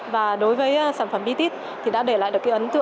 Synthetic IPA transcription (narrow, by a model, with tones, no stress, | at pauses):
vaː˨˩ɗo˨˦jvəː˨˦jsaː˧˩nfə˧˩mɓi˧t̪i˦˥t̚ | t̪ʰi˨˩ɗa̰ː˧˥ɗe˧˩la̰ː˧˨ɗɨ˨˩kaː˨˦ʔə˨˦nt̪ɨ̰˧˨